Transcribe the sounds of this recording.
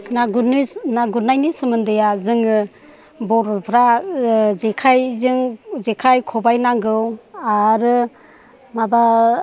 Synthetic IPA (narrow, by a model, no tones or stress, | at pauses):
naɡnɯnaɡuɾnajnisɯmɯndɯjazɯŋɯ | bɔɾɔpʰɾa | zekʰajzɯŋzekʰajkʰɔbajnaŋɡɯwaɾɯ | maba